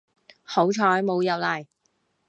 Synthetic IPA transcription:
ho˨˥wt͡ʃʰɔː˨˥jmo˨˧wjɐ˨wlɐ˨˩j

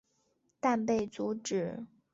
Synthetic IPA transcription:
t̪a˥˧npe˥˩ɪt͡su˧˥ʈ͡ʂɻ̩˨˩˦

